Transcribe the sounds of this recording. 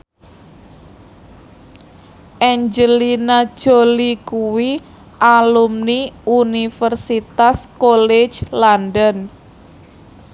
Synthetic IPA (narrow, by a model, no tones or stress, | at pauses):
ʔɛɲd͡ʒəlinad̥ʒ̥o̤likuwi | ʔalumniunifərsit̪askolɛ̥d͡ʒlandən